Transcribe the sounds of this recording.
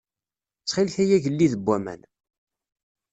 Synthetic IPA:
t͡sːχɪlθæjæʝəlːiðəbːæmæ̰n

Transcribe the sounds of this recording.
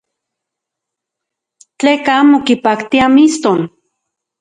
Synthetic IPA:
t͡ɬeːkamokipakt̪iamist̪on

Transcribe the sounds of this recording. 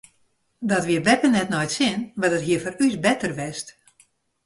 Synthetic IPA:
dɔtʋiəʋɛpənɛtnɔjtsɪnʋɛdətɦiəfɔrysbɛtərʋɛst

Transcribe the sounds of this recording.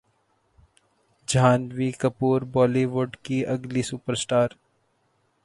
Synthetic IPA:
d͡ʒaːnʋikɐpuːɾbɔːliʋʊɾɖkiɐɡlisupəɾsʈaːɾ

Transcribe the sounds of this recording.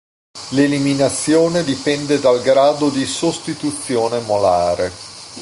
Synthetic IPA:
leliminat̪sːjoːned̪ipɛnd̪ed̪alɡɾaːd̪od̪isost̪it̪ut̪sːjoːnemolaːɾe

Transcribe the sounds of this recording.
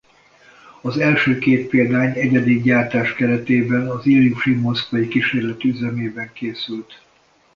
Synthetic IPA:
ɒzɛlʃøːkeːt̪̚peːld̪aːɲɛɟɛd̪iɡɟaːrt̪aːʃkɛɾɛt̪eːbɛnɒziljuʃimo̞skʋɒjikiʃeːrlɛt̪yzɛmeːbɛŋkeːsylt̪

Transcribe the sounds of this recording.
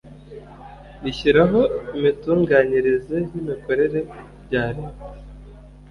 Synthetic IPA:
niçiɾaɦo̞imituːŋɡaːniɾize̞jimiko̞ɾe̞ɾe̞ | bɟaːɾeme

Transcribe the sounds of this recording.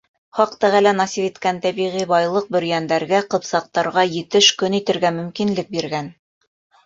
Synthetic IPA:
χɑq̚t̪æʁælænɑsifit̪kænt̪æβiʁibɑjlˠɤq̚bɵ̆ɾ̆jænd̪æɾɡæqɤ̆psɑq̚t̪ɑɾʁɑjɘ̆t̪ɘʃkɵnit̪ɘ̆ɾɡæmɵ̆mkinlɘk̚biɾɡæn

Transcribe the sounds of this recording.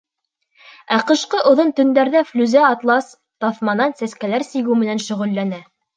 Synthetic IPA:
æqɤ̆ʃqɤʔŏðont̪ɵ̆nd̪æɾðæflʲʉzæɑt̪lˠɑs | t̪ɑθmɑnɑnsæskælæɾsiɡɘwmɘ̆nænʃɵ̆ʁɵ̆lːænæ

